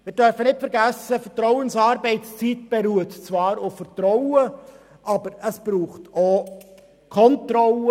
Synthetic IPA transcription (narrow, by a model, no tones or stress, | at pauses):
mɪːɾd̥œɾfənɪtfɛɾɡæsəfɛɾtɾɔʊənsɑːɾbɛɪtst͡sit̚b̥ɛɾuətt͡svɑːɾʊffəɾtɾɔwə | ʔɑbəɾəsb̥ɾuːχto | kʰɔntɾɔlə